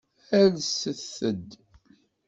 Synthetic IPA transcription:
æɾsəθəd̪

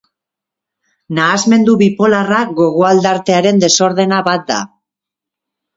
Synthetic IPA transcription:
naːzme̞nd̪uβipo̞laraɣo̞ɣ̞oald̪aɾt̪e̞aɾe̞nd̪e̞so̞ɾð̞e̞naβat̪̚d̪a̰

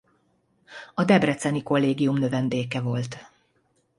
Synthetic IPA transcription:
ɒd̪ɛbrɛt̪sɛniko̞lːeːɡijumnø̞vɛnd̪eːkɛvo̞lt̪

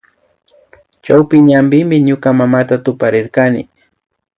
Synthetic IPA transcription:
t͡ʃawpɪɲambɪmɪɲʊkamamat̪at̪ʊpaɾɪɾkanɪ̰

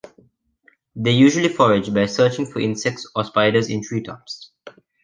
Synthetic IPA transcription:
d̪eːjuːʒəlifɔɹɪd͡ʒbaɪsəːt͡ʃɪ̃ŋfɔʔɪ̃nsɛk̚tsɔspaɪdəzɪ̰̃nt̪ʰɹiːtʰɔ̰ps

